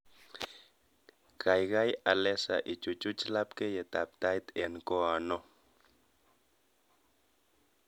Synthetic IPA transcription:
kʰajɡajalesaʔit͡ʃut͡ʃut͡ʃlapkejet̪ap̚t̪ajt̪enkoano

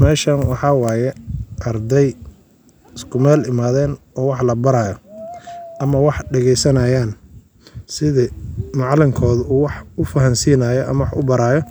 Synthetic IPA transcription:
mɛːʃɐnwɑħɑwɑːjɛʔɐrd̪ɛj | ɪskʰʊmɛːlɪmaːðɛːn | ɔːwɑħlɐbɐɾaːjɔ | ʔɐmɐwɑħɖɛɣɛjsɐnɐjaːn | sɪðɪmɑʕlɪŋkʰɔːðuːwɑħʊfɐɦɐnsiːnaːjɔʔɐ̰mɐwɑħʊbɐɾaːjɔ

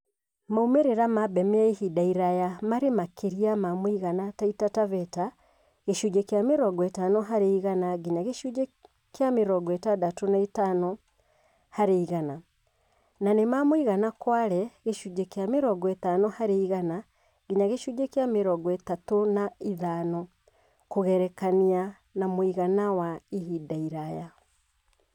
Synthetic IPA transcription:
maumeɾeɾamabɛmɛaehidaiɾajamaɾemakʰeɾiamamwiɣanataitatavɛta | ɣeʃud͡ʒekeameɾɔɡɔɛtanɔɦaɾeiɣanaɡeɲaɣeʃu | keameɾɔɡɔɛtadatonaitanɔ | haɾeiɣana | nanemamoiɣanakwaɾɛɣeʃud͡ʒekejameɾɔɡɔɛtanɔhaɾeiɣana | ɡ̥eɲaɣeʃud͡ʒekjameɾɔɡɔɛtatonaiðanɔ | koɣɛɾɛkania | namoiɣanawaiɦidaiɾaja

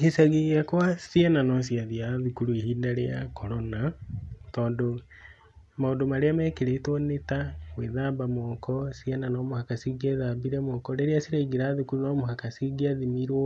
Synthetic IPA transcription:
kesaɣiakwasiɛnanɔsiaðiaðukuɾuehiːndaɾeja̰kʰɔɾɔnatɔːndo | maondomaɾeamɛːkeɾetwɔnetaweðaːbamɔkɔsiɛnanɔmohakasiɡeðaːbiɾɛmɔkɔɾeɾeasiɾeɡiɾaːðukuɾunɔmoɦakasiɡiaðimiɾo

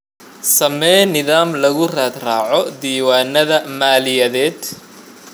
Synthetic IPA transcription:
sɐmɛːnɪðaːmlɐɣʊraːd̪raːʕɔd̪iːwaːnɐðɐmaːlɪjɐðɛːd̪

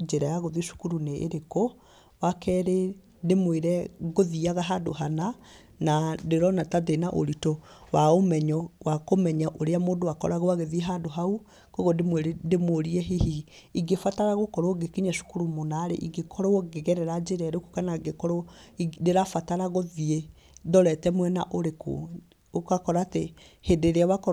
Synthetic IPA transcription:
d͡ʒeɾajaɣoðiʃu̥kuɾuneʔḛɾeko | wakɛɾe | demweɾɛɣoðiaɣaɦado̰ɦana | nadeɾɔnatadenaʔo̰ɾitɔwaomɛɲɔwakomɛɲaʔoɾeamoːdowakɔ̰ɾaɣoaɣeðiɛɦadoɦau | koɣodemwdemoɾiɛɦihi | iɡefataɾaɣokɔɾoɡekiɲaʃu̥kuɾumonaɾḛʔiɡekʰɔɾɔoɡeɣɛɾɛɾad͡ʒeɾɛɾoku̥kanaɡekɔɾɔdeɾafataɾaɣoðie | dɔɾɛtɛmwɛna̰ʔoɾeko̰ | okakɔɾate | hedeɾeawakɔ

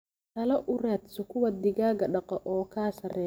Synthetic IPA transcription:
t̪ʰɐlɐʔʊɾɛːt̪sɔkʰʊwɐd̪ɪɣaːɡɐɖɐqɔʔɔːkʰaːsɐrɛː

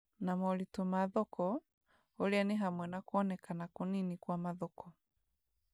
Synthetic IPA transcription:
namɔlitomaðɔkɔ | olianiɦamwɛnakuɔnɛkanakuninikwamaðɔkɔ

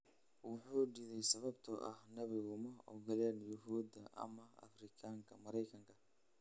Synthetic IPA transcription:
wɑħuːɖiðɛjsɐβɐbt̪ʰɔʔɐhnɐβɪɣʊmɐɔ̰ɡɐlɛːnjʊɦuːd̪ɐʔɐ̰mɐɐ̰frɪkʰaːŋkʰɐmɐɾɛjkʰɐŋkʰɐ

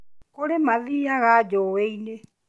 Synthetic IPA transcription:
koɾemaðiaɣad͡ʒɔweine

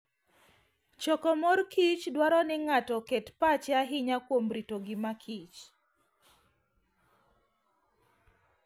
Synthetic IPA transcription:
t͡ʃɔkɔmɔrkʰit͡ʃdwaɾɔnɪŋatɔkɛtpat͡ʃaɦɪɲakwomɾitoɡɪmakʰit͡ʃ

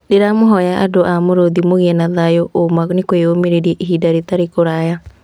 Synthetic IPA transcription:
deɾamoɦɔjaʔadoʔamoɾoðimoɣiɛnaðajoʔomanekweomeɾeɾiɛʔiɦidaɾet̪aɾekoɾaja

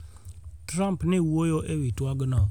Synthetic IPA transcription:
tɾampnewuojoʔewituaɡəna

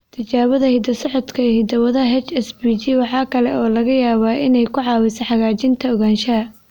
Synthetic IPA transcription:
t̪ʰɐt͡ʃaːβɐðɐhɪd̪ɐsɔʕɔd̪kʰɐhɪd̪ɐwɐðɐɐɦɛt͡ʃɛsbid͡ʒiwɑħɑːkʰɐlɛɔːlɐɣɐjaːβaːʔɪnɛjkʰʊʕɑːwɪsɐħɑɣaːt͡ʃɪnt̪ʰɐɔɣaːnʃɐɐ

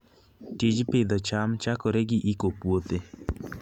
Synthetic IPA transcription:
tid͡ʒpɪd̪ɔt͡ʃamt͡ʃakɔɾeɡɪʔikopwot̪e

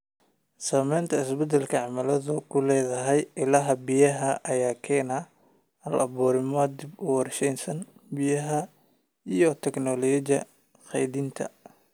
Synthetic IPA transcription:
saːmɛjnt̪ʰɐɪsbɛd̪ɛlkʰɐʕɑmɐlɐðʊkʰʊlɛːðɐɦɛjʔɪlɐɦɐbijɐɦɐʔɐjaːkʰɛːnɐ | hɐlʔɐbɔːɾɪmɔd̪ɪbʊwɑrʃɛjnsɐnbɪjɐɦɐ | ijɔt̪ʰɛknɔlɔd͡ʒɐ̰ | χɛ̰jdint̪ʰɐ̰

